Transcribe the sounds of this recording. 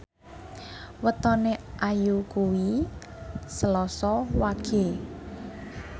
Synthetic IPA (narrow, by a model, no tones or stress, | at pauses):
wət̪ɔneʔajukuwi | səlɔsɔwaɡ̥e̤